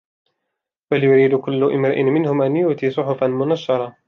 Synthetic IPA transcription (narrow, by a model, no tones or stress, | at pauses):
baljʊɾiːd̪ʊkʊlːʊʔɪmɾɪʔɪmɪnhʊmʔanjʊʔt̪iːsˤʊħʊfanmʊnaʃːɑɾˤɑ